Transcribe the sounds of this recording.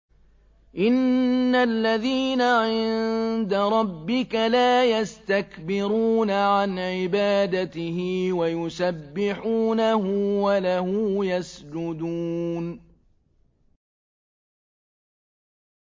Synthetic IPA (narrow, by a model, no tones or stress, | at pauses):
ʔɪnːalːaðiːnaʕɪnnd̪aɾˤɑbːɪkalaːjast̪akbɪɾuːnaʕanʕɪbaːd̪at̪ɪhɪwajʊsabːɪħuːnahʊwalahʊjasd͡ʒʊd̪uːn